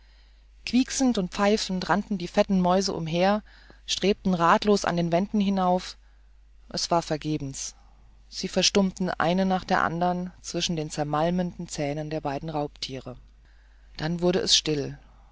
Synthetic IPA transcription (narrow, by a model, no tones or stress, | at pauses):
kv̥iːksn̩tʊnt̚p͡faɪfn̩tʁantn̩diːfɛtn̩mɔʏzəʔʊ̰mɦeːɐ | ʃtʁ̥eːp̚tn̩ʁaːtloːsa̰ndeːnvɛndn̩ɦɪnaʊf | ʔɛsv̥aːɐfɛɐɡeːbm̩s | z̥iːfɛɐʃtʊmtn̩ʔa̰ɪnənaːχd̥eːɐʔa̰ndɐʁnt͡sv̥ɪʃn̩deːnt͡sɛɐmalməndn̩t͡sɛːnəndeːɐbaɪdn̩ʁaʊptʰiːʁə | d̥anvʊɐɾəʔɛsʃtɪl